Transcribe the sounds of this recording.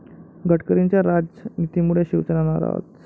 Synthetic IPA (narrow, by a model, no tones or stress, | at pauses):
ɡəʈkəɾiɲt͡ɕjaɾad͡ʑənit̪imuɽ̤eɕiʋt͡sənanaɾa̰ʋ̰t̪